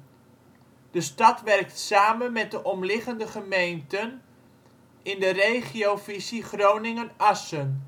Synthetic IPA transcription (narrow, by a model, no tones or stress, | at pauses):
d̥əstɑtʋɛrk̚tsaːmənmɛt̚dəʔɔmlɪχəndəχəmejntən | ɪndərejχiowfisiχrownɪŋənɑsən